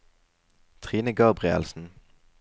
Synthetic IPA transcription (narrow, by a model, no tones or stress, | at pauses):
t̪ʰʁiːnəɡɑʁbʁɪə̰lsn̩